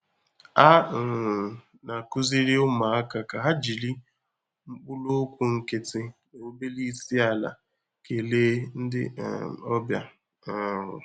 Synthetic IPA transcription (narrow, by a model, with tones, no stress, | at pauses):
a˦˨ | na˨kʊ˦zi˦ɾɪ˦ʊ˦ma˨a˦ka˨ka˨ɦa˦d͡ʒi˨li˦ | ŋ͡m̩˦k͡pʊ˦lo˦kʷu˦ŋ̩˦˨kɪ˦tɪ˦no˨˦be˦li˦si˦a˨la̰˨ | ke˨leː˦n̩˦dɪ̰˦˨ɔ˦bja̰˨ | a˦ɦʊ̰˨